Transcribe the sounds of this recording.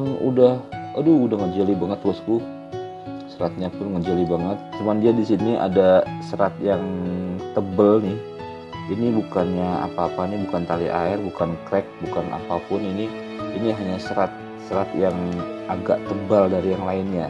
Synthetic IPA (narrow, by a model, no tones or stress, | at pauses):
nṵdahadʊudahŋəd͡ʒalibaŋət̪ːlʊskʊ | səɾat̪̚ɲapʊnŋəd͡ʒalibaŋət̪̚t͡ʃumandiadisiniʔa̰dasəɾat̪̚jaŋt̪əbəlnɪh | inibukanɲaa̰paːpanibukant̪aliʔa̰ɪrbukankɾɛk̚bukanʔa̰papʊnini | iniɦaɲasəɾat̪̚ | səɾat̪jaŋaɡa̰ʔt̪əbaldaɾijaŋlaɪnɲa